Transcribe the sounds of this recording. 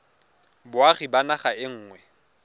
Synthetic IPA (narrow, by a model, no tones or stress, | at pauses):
bʊaχibanaχaɪŋ̩ːŋwɛ